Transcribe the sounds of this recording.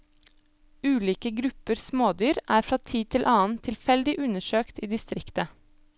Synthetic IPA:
ʉːliːkəɡɾʉpəɾsmoːd̪yːɾʔæːɾfɾɑːt̪ʰiːt̪ʰɪlʔɑːnt̪ʰɪlfɛld̪ɪʔʉnəʃøːkt̪iːd̪ɪst̪ɾɪkt̪ə

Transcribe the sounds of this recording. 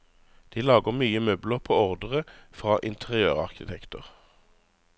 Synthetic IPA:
d̪̥iːlɑːɡəʁmyːəmœbləʁpʰoːɔʁd̪əʁəfʁɑːʔɪnt̪ʰəʁɪøːʁɑ̰ʁkɪt̪ʰɛkt̪ə̰ʁ

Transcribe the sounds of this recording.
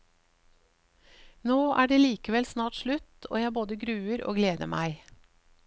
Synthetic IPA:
noːʔæːɖeːliːkəʋɛlsnɑːʈʃlʉt̪o̰ːjæboːd̪əɡɾʉːəɾo̰ːɡleːd̪ə̰mæɪ

